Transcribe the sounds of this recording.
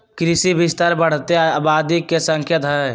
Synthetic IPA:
kɾɪsibɪst̪əɾbəɽ̤t̪eabaːd̪ikːesə̃ŋkʰjət̪ɦɛ

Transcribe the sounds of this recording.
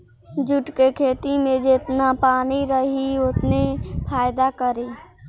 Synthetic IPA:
d͡ʒʊʈkekʰeːt̪imẽd͡ʒet̪napaːniɾəɦiʊt̪nepʰaːjd̪akəɾiː

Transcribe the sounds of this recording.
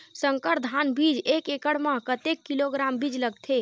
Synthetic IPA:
səŋkəɾd̪ʱanbid͡ʒekekəɽmãkət̪ekːiloɡɾambid͡ʒləɡ̚t̪ʰe

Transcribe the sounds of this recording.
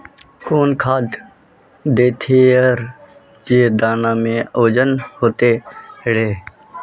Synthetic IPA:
koːnkʰaːd̪ | d̪eːt̪ʰeːəɾ | d͡ʒeːd̪aːnãːmẽːoːd͡ʒənhoːt̪eːɽeː

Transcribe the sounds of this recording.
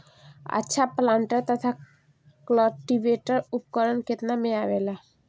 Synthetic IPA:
ə̰tːʃʰaplaɳʈəɾt̪ət̪ʰa | klɔʈiʋeʈəɾupkəɾənket̪nameaʋela

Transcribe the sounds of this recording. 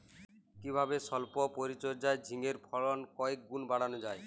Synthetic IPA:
kibʱabesɔlpɔpoɾit͡ɕɔɾd͡ʒaed͡ʑʱiŋeɾpʰɔɭɔnkɔek̚ɡunbaɽanod͡ʒae

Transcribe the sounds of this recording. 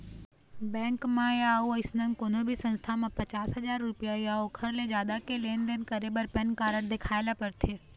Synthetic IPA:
bɛ̃ːŋkmãjaːoɐɪsnə̃ŋkonobʱisə̃nst̪ʰamãpɐt͡ʃaːsɦɐzaːɾːʊpijajaokʰɐɾled͡ʒjaːd̪akeleːnd̪enkəɾebəɾpɛnkaːɾəɽd̪ɪkʰaːelapɐɾt̪ʰeː

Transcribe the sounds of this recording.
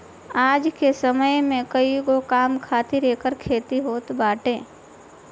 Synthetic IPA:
aːd͡ʒkesəməjmẽkəiɡokaːmkʰaːt̪ɪɾeːkəɾkʰeːt̪iɦoːt̪baːʈẽː

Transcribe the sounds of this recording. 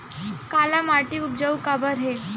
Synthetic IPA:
kalamaʈiup̚d͡ʒəukabəɾɦe

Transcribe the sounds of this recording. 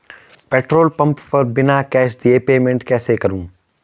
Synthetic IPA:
pɛːʈɾoːlpɐ̃mppɐɾbɪnakɛːʃd̪iepeːmẽɳʈkɛːsekɐɾũː

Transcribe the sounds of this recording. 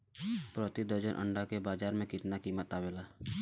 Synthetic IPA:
pɾɔːt̪id̪əɾd͡ʒənʔə̰̃ɳɖakebaːd͡ʒaːɾmẽkɪt̪nakiːmət̪aːweːlaː

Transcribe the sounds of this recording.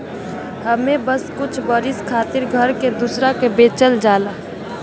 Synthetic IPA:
həmebəskʊt͡ʃʰbəɾɪskʰaːt̪ɪɾɡʱəɾked̪usɾakebeːt͡ʃəld͡ʒaːlaː

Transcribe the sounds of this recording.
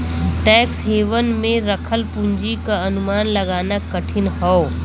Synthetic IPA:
ʈɛːksɦeːʋənmẽɾɐkʰəlpʊ̃ɲd͡ʒikaɐnʊmaːnlɐɡaːnakəʈʰɪnɦɔo

